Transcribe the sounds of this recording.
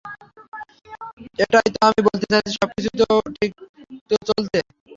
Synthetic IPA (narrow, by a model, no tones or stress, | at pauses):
eʈajt̪oamibolt̪et͡ɕʰat͡ɕiʃɔb̚kit͡ɕʰut̪oʈʰik̚t̪ot͡ɕolt͡ɕʰe